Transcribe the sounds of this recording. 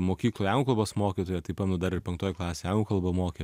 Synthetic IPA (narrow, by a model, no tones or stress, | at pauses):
moːkʲiːklˠoːjɑʊŋɡkɐlˠboːsmoːkʲiːt̪oːjɛt̪ɐɪpɐtnʊd̪ɐɾɪɾpʲɛŋkt̪oːjklˠɑːsʲeːɑŋɡʊkɐlˠbɐmoːkʲe